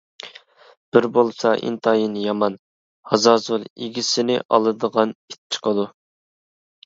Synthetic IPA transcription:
b̥ɪɾbolˠsɑʔḭnt̪ʰɑjinjɑmɑn | hɑzɑːzulˠḛɡʲisɪnɪʔɑ̰lˠɨd̪əʁɑnit̪̚t͡ʃʰːɪ̥qʰəd̪u

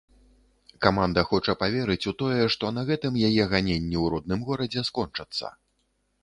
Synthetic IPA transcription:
kamand̪ɐxɔt͡ʂɐpavʲɛɾɨt͡sʲut̪ɔjɛʂt̪ɔnɐɣɛt̪ɨmjajɛɣanʲenʲːiwɾɔd̪̚nɨmɣɔɾɐd͡zʲɛskɔnt͡ʂɐt̪sːɐ̰

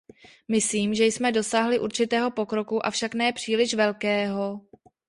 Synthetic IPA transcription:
mɪsliːmʒɛjsmɛdo̞saːɦlɪʔuɾt͡ʃɪt̪ɛːɦo̞po̞kɾo̞kuʔa̰fʃaknɛːpr̝̥iːlɪʃvɛlkɛːɦo̞

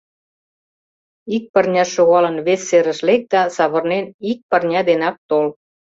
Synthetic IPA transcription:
ik̚pərnʲɑʃoɣɑlə̆nβesːeɾə̆ʃlek̚d̪ɑsɑβə̆rnenik̚pərnʲɑd̪enɑk̚t̪ol

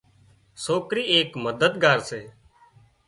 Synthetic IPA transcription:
soːkɾiːeːkməd̪əd̪ɡaːɾseː

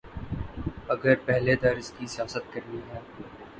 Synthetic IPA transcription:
ɐɡəɾpɛɦled̪ɐɾɪskisɪjaːsət̪̚kɐɾniɦɛː

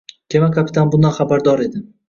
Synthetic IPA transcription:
kʰʲemakʰapʰi̥t̪ʰanbʊnd̪anχabaɾd̪ɒɾe̞d̪ɪ

